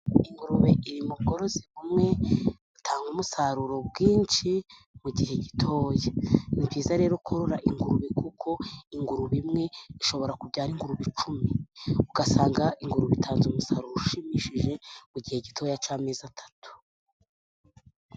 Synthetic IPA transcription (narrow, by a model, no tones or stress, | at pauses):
iŋɡuɾuβeʔiɾimub̚ɡo̞ɾo̞ziβumŋe̞ | utʰaːŋɡumusaɾuɾo̞bɡiːnt͡ʃi | muɟihe̞ɟitʰo̞ːjanibɟiːzaɾe̞ːɾokʰoɾoɾaʔiŋɡuɾuβikʰukʰo̞iŋɡuɾuβimŋe̞iʃo̞βo̞ɾakubɟaːɾiŋɡuɾuβit͡ʃumiuɡasaːŋɡaʔiŋɡuɾuβitʰaːnzumusaɾuɾoʃimiʃiʒe̞muɟiheɟitʰo̞ːjat͡ʃaːme̞ːzatʰḁtʰu̥